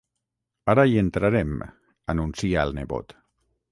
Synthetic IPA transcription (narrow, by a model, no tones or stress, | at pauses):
aɾaient̪ɾaɾɛm | anunsiaːlˠneβo̰t̪